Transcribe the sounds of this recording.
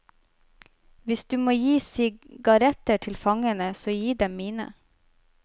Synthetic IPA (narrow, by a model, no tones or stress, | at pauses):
ʋɪsd̪ʉːmoːjiːsɪɡɑɾɛt̪əʈʰɪlfɑŋənəsoːjiːd̪ɛmmiːnə̰